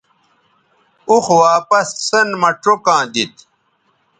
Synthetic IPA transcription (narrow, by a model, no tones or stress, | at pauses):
uxwaːpɐsːɐnmɐʈokãːd̪it̪